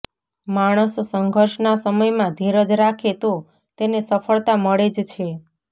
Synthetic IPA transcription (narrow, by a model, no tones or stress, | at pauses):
maɽ̃əssəŋɡʱəɾʃnasəməjmãd̪ʱiɾəd͡ʒɾakʰet̪o | t̪enesəfʰəɭt̪aməɭed͡ʒt͡ʃʰe